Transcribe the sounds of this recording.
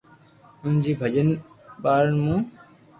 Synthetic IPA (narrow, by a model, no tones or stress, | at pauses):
ʊnd͡ʑiːbʱəd͡ʒən | ɓaːɾnmũː